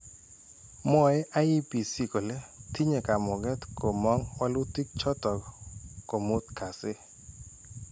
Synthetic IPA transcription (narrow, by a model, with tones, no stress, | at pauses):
mɔ˨ɛ˦ʔa˦i˦pi˨si˦ko˨lɛ˦ti˦ɲe˨ka˨mɔ˨ɡɛ˦t̪ko˨mɔ˦ŋwa˦lʊ˦ti˦k̚t͡ʃɔ˦t̪ɔ˨kko˨mʊ˦t̪ka˨sɪ˦